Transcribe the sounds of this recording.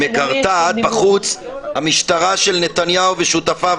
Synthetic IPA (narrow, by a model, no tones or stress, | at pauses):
ekaʁt̪at̪̚baχut͡shamiʃt̪aʁaʃelne̞t̪anjaoveʃut̪afa